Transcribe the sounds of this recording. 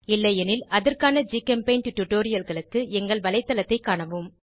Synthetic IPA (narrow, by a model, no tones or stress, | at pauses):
ɪlːɐjɛnɪlɐðɐrkaːnɐd͡ʒiːkɐmpɐɪnʈʊʈːʊʈːoːɾɪjɐlɣɐɭɯkːɯɛŋɡɐɭʋɐlɐɪt̪ːɐlɐt̪ːɐɪkːaːɳɐʋɯm